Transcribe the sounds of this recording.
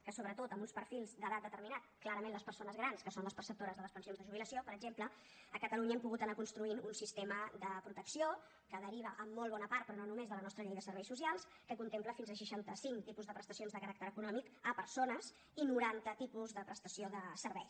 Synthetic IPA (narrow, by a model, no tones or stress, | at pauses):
kəsoβɾət̪ot̪əmbunspəɾfilˠzd̪əðat̪d̪ət̪əɾminat̪̚klˠaɾəmẽnləspəɾsonəzɣ̞ɾanskəsonləspərsəp̚t̪oɾəzðələspənsionzðəʒuβiləsiopəɾəɡʒemplə | əkət̪əluɲəɛmpuɣut̪ənakunst̪ɾuinunsist̪eməd̪əpɾut̪əksio | kəðəɾiβ̞əʔəmːolˠβɔnəpart̪̚pɾɔnonumezðələnɔst̪ɾəʎejðəsəɾβɛjsus̬ialˠs | kəkunt̪empləfinzəʃ̬əʃant̪əsiŋkt̪ipuzðəpɾəst̪əsionzðəkəɾak̚t̪əɾəkunɔmikəpəɾsonəz | inuɾant̪ət̪ipuzðəpɾəst̪əsioðəsəɾβɛjs